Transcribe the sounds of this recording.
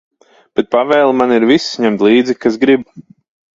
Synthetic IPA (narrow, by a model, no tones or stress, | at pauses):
b̥ɛt̪̚pavɛːlˠmaniɾvisɲɛmt̪lˠiːd̪zikas̬ɡɾib